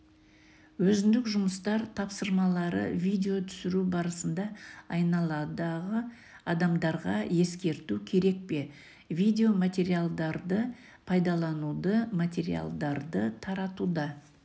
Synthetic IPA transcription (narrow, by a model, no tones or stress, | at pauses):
wɵzɪnd̪ɪkʒʊməst̪ɑɾt̪ʰɑpsəɾmɑlˠɑɾə̰vʲijd̪ʲe̞o̞t̪ʰʏ̥sɪɾubɑɾəsənd̪ɑɑjnɑlˠɑd̪ɑʁə | ɑd̪ɑmd̪ɑɾʁɑje̞skʲe̞ɾt̪ukʲʰe̞ɾe̞k̚pe̞ | vʲijd̪ʲe̞o̞mat̪ʲe̞ɾijalˠd̪ɑɾd̪ə | pʰɑjd̪ɑlˠɑnud̪əmat̪ʲe̞ɾḭja̰lˠd̪ɑɾd̪ət̪ʰɑɾɑt̪ud̪ɑ